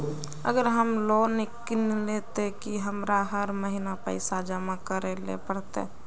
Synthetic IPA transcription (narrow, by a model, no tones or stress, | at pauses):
ə̰ɡəɾɦəmlonɪknlet̪ekiɦəmɾaɦəɾməɦinapəɪsad͡ʒəmãkəɾelḛpəɾt̪ḛ